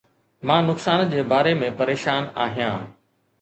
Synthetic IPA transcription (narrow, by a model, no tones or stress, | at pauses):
mãːnʊksaːnd͡ʑeːbaːɾemẽpɐɾeːʃaːna̰ːɦijãː